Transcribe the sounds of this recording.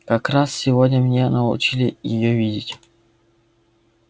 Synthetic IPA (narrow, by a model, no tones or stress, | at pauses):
kakɾassʲɪvodʲnʲəmnʲenəʊ̰t͡ɕilʲɪjɪ̰jovʲidʲɪtʲ